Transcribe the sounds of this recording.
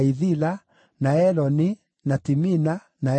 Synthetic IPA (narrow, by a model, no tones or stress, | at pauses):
iðila | naɛlɔni | natimina | na